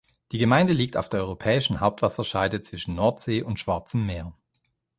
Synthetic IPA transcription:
d̥iːɡəmaɪndəliːk̚taʊfd̥eːɐʔɔʏʁopʰɛːɪʃn̩haʊp̚tv̥asɐʃaɪdət͡sv̥ɪʃn̩nɔɐtz̥eːʔʊntʃv̥aɐt͡səmːeːɐ

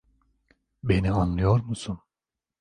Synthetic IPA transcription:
be̞nianlˠɯjo̞ɾmusun

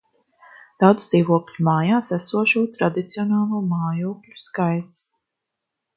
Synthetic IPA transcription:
d̪̥awd̪zziːvuɔklʲumaːjaːsæsuɔʃuːt̪ɾad̪it̪siɔnaːlˠuːmaːjuːklʲu̥skajt̪s

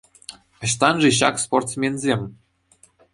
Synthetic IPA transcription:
ɤ̆ɕt̪ɑnʐĕɕ̬ɑksport̪smʲenʲzʲemʲ

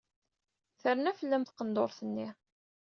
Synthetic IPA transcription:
θəɾnæfəlːæmθqənd̪oɾθənːi

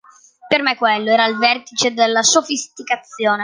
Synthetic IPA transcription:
permekːwelːoɛːɾailvɛrt̪it͡ʃed̪elːasofist̪ikat̪sːjoːne

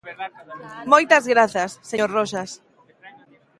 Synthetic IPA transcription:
mojt̪ɐzɣɾaθasːeoɾroʃas

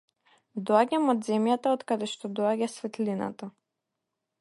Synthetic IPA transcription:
d̪ɔaɟamɔd̪zɛmjat̪aɔt̪kad̪ɛʃt̪ɔd̪ɔaɟasvɛt̪lina̰t̪a

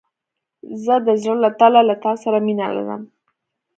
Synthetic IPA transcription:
zəd̪əzɽəlat̪alalat̪ɑsaɾaminala̰ɾə̰m

